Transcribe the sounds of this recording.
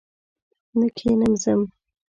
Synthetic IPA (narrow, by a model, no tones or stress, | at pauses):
nəkʰenəmzəm